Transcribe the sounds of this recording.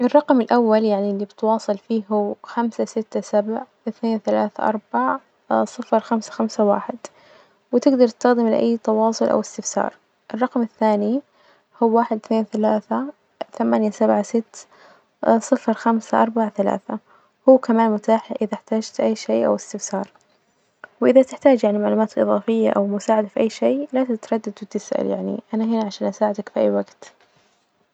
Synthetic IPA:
ʔɪrˤːɑqmɪlʔawːaljaʕnilːibɪt̪wɑːsˤɨlfiːɦhuːxamsasɪt̪ːasabʕ | ɪθneːnθalaːθaʔɑ̰ɾˤbaʕ | sˤɨfɾxamsḁxamsawa̰ːħɪd̪ | wɪt̪ɪɡd̪ɑɾˤt̪st̪axd̪ɪmlʔa̰jːt̪ɑwɑːsˤʊlʔa̰wɪst̪ɪfsɑ̰ːɾˤ | ʔɪrˤːɑqmɪθːaːni | huwːaːħɪd̪θneːnθalaːθa | θamaːnjasabʕasɪt̪ː | sˤɨfɾxamsaʔɑɾˤbaʕθala̰ːθa | huːkamaːnmʊt̪aːħʔɪðaħt̪aːd͡ʒt̪ʔajːʃeːʔa̰wɪst̪ɪfsɑːɾˤ | wʔɪðat̪ɪħt̪aːd͡ʒjaʕnimaʕluːmaːt̪ʔɨðˤɑːfɪjːa̰ʔa̰wmʊsaːʕad̪afiʔajːʃeːlat̪ɪt̪ɾˤɑd̪ːad̪wɪt̪ɪsʔa̰ljaʕnḭʔanaɦɪnaʕaʃaːnʔasaːʕɪd̪akfiʔajːwaɡt̪

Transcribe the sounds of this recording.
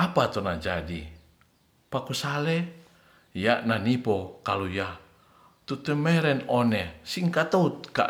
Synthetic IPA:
apat̪ɔnad͡ʒadi | pakusalɛ | jananipɔkaluja | t̪ut̪əmɛɾɛnonɛsiŋkat̪out̪̚ka̰

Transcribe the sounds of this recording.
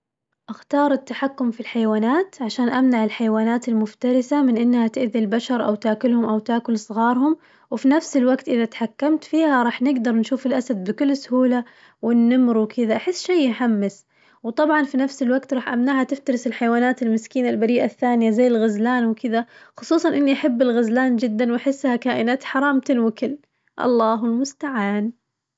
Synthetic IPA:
ʔaxt̪ɑːɾˤɪt̪ːaħakːʊmfilħajwaːnaːt̪ʕaʃaːnʔamnaʕɪlħajwaːnaːt̪ɪlmʊft̪ɑɾˤɪsamɪnʔɪnːhat̪ɪʔðilbaʃɑɾˤʔa̰wt̪aːkʊlhʊmʔawt̪aːkʊlsˤɣɑːɾˤhʊm | wɪfinafsɪlwaɡt̪ʔɪðat̪ħakːamt̪fiːhaɾˤɑːħnɪɡd̪ɑɾˤnʃuːfɪlʔasad̪̚bɪkʊlːsʊhuːla | wɪnːamɾwɪkʰɪðaʔaħɪsːʃajɪħamːas | wt̪ˤɑbʕɑnfinafsɪlwaɡt̪ɾˤɑːħʔamnaːʕhat̪ɪft̪ɑɾˤɪsɪlħajwaːnaːt̪ɪlmɪskiːnalbaɾiːʔaθːaːnɪjazajːɪlɣazlaːnwkɪðaxʊ̥sˤuːsˤɑnʔɪnːiʔaħabːɪlɣazlaːnd͡ʒɪd̪ːanwʔaħɪsːhakaːʔɪnaːt̪ħɑɾˤɑːmt̪ɪlwɪkɪlː | ʔɑ̰lˤːɑːɦɪlmʊst̪aʕaːn

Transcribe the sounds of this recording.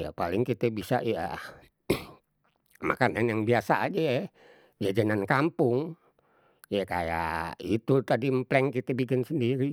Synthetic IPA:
ja̰palɪŋkit̪ɛbisa̰ja̰ | ma̰kananjaŋbiasaa̰d͡ʒa | jad͡ʒənankampʊŋ | jakaja̰it̪ut̪adimplɛŋkit̪ɛbikɪnsəndiɾi

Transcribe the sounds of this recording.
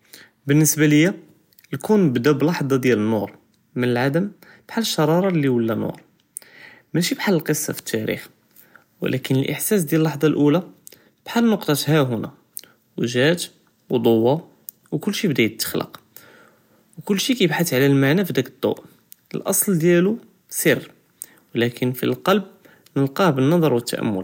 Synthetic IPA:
bənːəsbaləjːæ | lkunbd̪æblɑħd̪ˤɑd̪jælənːuɾ | mənəlʕad̪əm | b̥ħalːəʃːɑɾˤɑɾˤɑlːiwəlːænṵɾ | mæʃibħalːəlqəsˤːɑ̰fə̥t̪ːæɾḭx | wə̰lʔækənəlʔə̰ħsæsd̪jælːɑħd̪ˤɑlʔulæ | b̥ħalːnʊqt̪ˤɑt̪hæɦʊnæ̰ | wʒæt̪ | wd̪ˤowːɑ | wkʊlːʃibd̪æjt̪ːə̥xlə̰q | wkʊlːʃikæjəbħat̪ʕlælmaʕnæfid̪ækəd̪ˤːo̰ʔ | əlʔɑsˤld̪jælu | sərː | wlækʰənfḭlqɑlb̚ | nəlqɑbənːɑd̪ˤɾˤwət̪ːæ̰ʔæ̰mːʊ̰l

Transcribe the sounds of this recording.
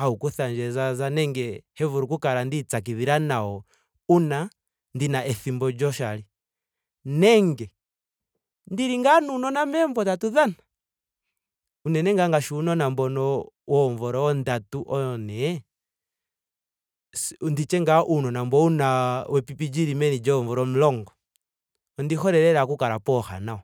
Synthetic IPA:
haukuθaɲd͡ʒɛzazanɛŋɡɛhɛvuɾukukaɾandit͡sak̬iviɾanaɔ | una | ndinaʔɛθimbɔd͡ʒɔʃali | nɛŋɡɛ | ndiɾiŋɡanunɔnamɛɱvɔtatuðana | unɛnɛŋɡaŋɡaʃunɔnambɔnɔwɔɱvɔɾɔwɔndatuʔɔnɛ | sndit͡ʃɛŋɡaʔunɔnambɔunawɛpipid͡ʒiɾimɛnid͡ʒɔɱvɔɾɔm̩lɔŋɡɔ | ɔndixɔɾɛɾɛɾakukaɾapɔxa̰naɔ

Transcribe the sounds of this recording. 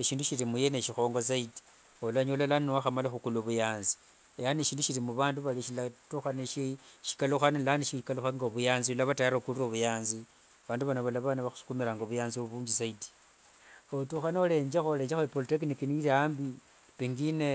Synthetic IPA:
eʃiːnduʃiɾimujeneʃixo̞ːŋɡos̬aidi̥ | olaɲolalannwaxamalaxukuloβujaːnzi̥ | ejaneʃiːnduʃiɾimuβaːnduβaliʃilatuxaniʃiʃi̥kaluxanilaniʃiʃikaluxaŋɡoβujaːnziulaβatajaɾokuluroβujaːnzi | βaːnduβanaβalaβanaβaxu̥su̥kumiɾaŋɡoβujaːnziβuːɲd͡ʒisaidi̥ | otuxanole̞ːɲd͡ʒaxole̞ːɲd͡ʒaxoipolitek̬nikiniɾaːmbi | piŋɡine

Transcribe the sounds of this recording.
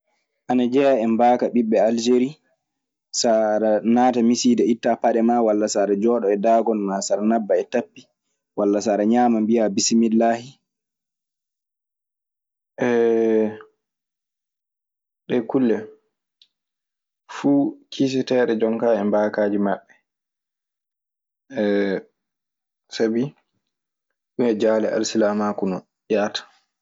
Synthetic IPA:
ʔanad͡ʒɛjaɛmbaːkaɓiɓɛald͡ʒeɾi | saɾanaːtamisiːdɛitːapaɗɛmawalːasaɾad͡ʒɔːɗɔɛdaːɡɔnmasaɾanabːaɛtapːi | walːasaːɾaɲaːmambijabisimilːaːhi | ʔɛ | ɗɛkulːɛ | fuːkʰis̬ɛtɛːɗɛd͡ʒɔŋkaːɛmbaːkaːd͡ʒimaɓːɛ | sabi | ɗumɛd͡ʒaːlɛʔa̰lsilamaːkunɔ | ʔjaːtḁ

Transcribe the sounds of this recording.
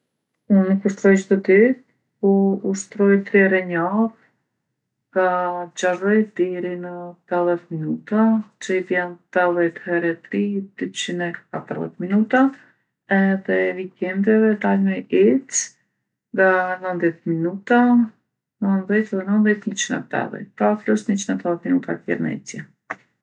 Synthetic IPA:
unːukuʃt̪ɾɔjt͡ʃt̪ɔd̪it̪ | ɔuʃt̪ɾɔjt̪ɾiɛɾɛɲað | ŋɡad͡ʑaʒɔjd̪iɾinət̪aðɛt̪minut̪at͡ʃəid̪jɛnt̪aðɛt̪hɛɾɛt̪ɾid̪̥yt͡ɕinɛkat̪əɾðɛ̰t̪minut̪a | ɛðɛvikɛnd̪ɛvɛd̪almɛjɛt͡s | ŋɡanənðjɛt̪minut̪a | nənðɛt̪ɛðɛnənðɛt̪ɲət͡ʃinɛ̰t̪ɛ̰ðɛ̰kaklɔsɲət͡ʃinɛt̪ɛðɛt̪minut̪atjɛ̰ɾmɛ̰t͡sjɛ

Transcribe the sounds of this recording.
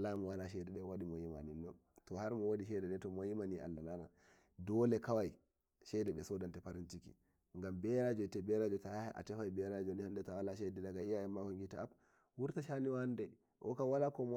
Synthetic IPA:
lamɔwanaʃ̬ɛdɛɗɛwaɗimɔjima̰ninːɔn | tɔhaɾmɔwodiʃɛdɛdɛtɔmojimaniʔa̰lːalana | dɔlɛkawaj | ʃɛdɛɓɛsɔdantɛpaɾintikḭ | ŋɡambɛɾad͡ʒɔtɛbɛɾad͡ʒɔtajaʔa̰tɛfajbɛɾad͡ʒɔnihandɛtawalaʃɛdɛdaɡaijaɛmːakɔŋɡitaap | wuɾtaʃaniwandɛ | ʔɔ̰kawalakɔm

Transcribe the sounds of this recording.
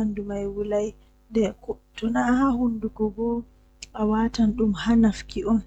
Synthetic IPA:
andumajwulaj | ndɛkɔtɔnahahundukɔɡɔ | awatanɗumhanafkiʔɔn

